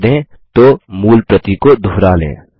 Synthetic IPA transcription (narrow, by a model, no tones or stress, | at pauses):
d̪ẽː | t̪omuːlpɾət̪ikod̪ʱuːɾaːlḛ̃ː